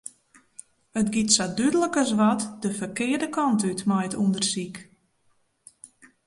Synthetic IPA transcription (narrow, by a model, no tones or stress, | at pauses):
ətɡitsadydələkəs̬ʋɔtdəfərkɪədəkɔntytmajətundərsik